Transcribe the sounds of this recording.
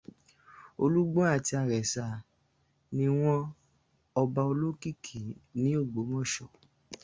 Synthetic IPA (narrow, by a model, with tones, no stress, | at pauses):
o˧lu˦ɡ͡bɔ̃˦a˦˨ti˧a˧˨ɾɛ˨sa˨ | nĩ˧w̃ɔ̃˦ | ɔ˧ba˧o˧lo˦ki˦˨kʰi˨˦nĩ˨˦o˦˨ɡ͡bo˨˦mɔ̃˦˨ʃɔ˨